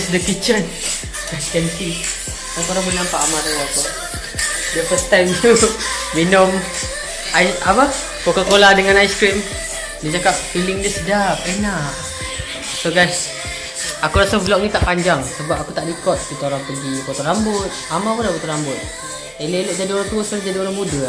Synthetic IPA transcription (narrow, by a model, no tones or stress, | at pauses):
sdəkit͡ʃən | ɡaskɛnsi | taŋkoɾaŋbənampaʔamat̪aaku | daʔpət̪aŋit̪uminʊm | aiapə | kokakolahdəŋanajskɾim | dit͡ʃakap̚filɪŋdisədap̚enaʔ | soɡajs | akuɾasablɔk̚nit̪aʔpaɲd͡ʒaŋsəbapakut̪aʔdikɔt̪̚kit̪aoɾaŋpəɡikot̪ɔɾambʊt̪̚amapunaʔboʔt̪oɾambʊt̪̚ | eleloʔd͡ʒadioɾaŋt̪uəsəlad͡ʒadioɾaŋmudə